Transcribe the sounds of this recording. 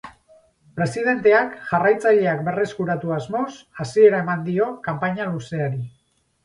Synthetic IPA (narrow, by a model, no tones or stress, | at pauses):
pɾe̞sið̞e̞nt̪e̞akʝarajt͡saʎe̞ak̚be̞re̞skuɾat̪uazmo̞sasie̞ɾae̞mand̪io̞kampaɲaluse̞aɾi